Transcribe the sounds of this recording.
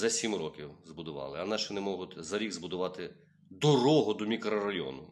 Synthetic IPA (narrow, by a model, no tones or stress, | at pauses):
zɐsʲimrɔkʲiwzbʊd̪ʊʋɑ̰lˠɪɐnɛʃɛnɛmɔɦʊt̪ʲzɐɾʲikzbʊd̪ʊʋɑt̪ɪ | d̪ʊrɔɦɔd̪ʊmʲikɾɐɾɐjɔ̰nʊ